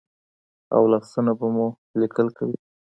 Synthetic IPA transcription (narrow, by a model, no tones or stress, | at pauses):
a̰wlɑsənabamu | likəlkawi